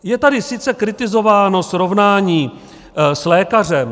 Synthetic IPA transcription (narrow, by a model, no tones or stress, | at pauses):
jɛt̪adɪsɪt͡sɛkɾɪt̪ɪzo̞vaːno̞sɾo̞vnaːɲiː | slɛːkar̝ɛm